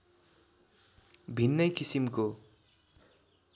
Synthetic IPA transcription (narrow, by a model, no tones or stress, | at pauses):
bʱinːʌjkisimko